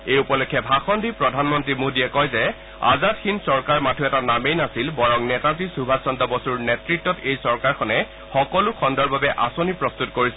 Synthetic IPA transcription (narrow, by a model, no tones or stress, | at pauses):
ejupɔlɔkʰːɛbʱaxɔndʱipɹɔdʱanmɔntɹimudiɛkɔjzɛ | a̰zatxʰinsɔɹkaɹmatʰuɛtanamejnasilbɔɹɔŋnɛtat̬isubʱasɔndɔbɔsuɹnɛtɹitːɔtejsɔɹkaɹkʰɔnɛ | xɔkɔlʊxʰɔndɔɹbabɛʔasonipɹɔst̪utkoɹisɛ